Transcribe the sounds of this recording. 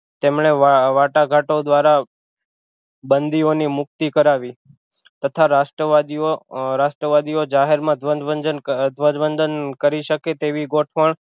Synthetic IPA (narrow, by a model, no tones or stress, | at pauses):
t̪emɳeaʋaʈaɡʱaʈod̪ʋaɾa | bənd̪ionimʊk̚t̪ikəɾaʋi | t̪ət̪ʰaɾaʃʈɾəʋad̪ioɾaʃʈɾəʋad̪iod͡ʒaɦeɾmãd̪ʱʋəd͡ʒʋənd͡ʒənd̪ʋəd͡ʒʋənd̪ənkəɾiʃəket̪eʋiɡoʈʰpəɳ